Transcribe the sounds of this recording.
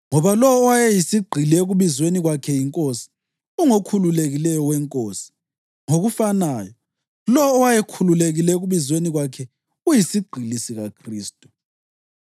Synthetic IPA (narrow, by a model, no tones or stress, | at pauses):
ŋɔβalɔːwajejisiɡ͡ǀʱilɛɣuβizweniɣwakʰɛjiŋkʼosi̥ | uŋokʰululeɣilɛjɔwɛŋkʼoːsi̥ | ŋoɣufanaːjɔ | lɔːwajekʰululeɣilɛɣuβizweniɣwakʰɛ | ujisiɡ͡ǀʱilisiɣakʰriːstʼu̥